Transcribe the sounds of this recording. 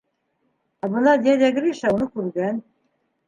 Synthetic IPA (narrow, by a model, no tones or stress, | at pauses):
æbɤ̆nɑd̪ʲjæd̪æɡɘɾiʃæunɤkʉɾɡæn